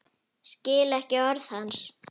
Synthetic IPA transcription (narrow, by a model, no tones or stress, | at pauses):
scɪːlɛhcɪœɾθhans